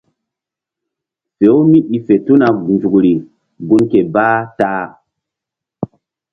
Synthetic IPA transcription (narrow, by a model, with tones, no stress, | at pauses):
se˨˦u˦mi˦ʔi˨fe˨tu˦na˨ɡnd͡ʒu˨kɾi˨ | ɡu˦nke˨ba˦taː˦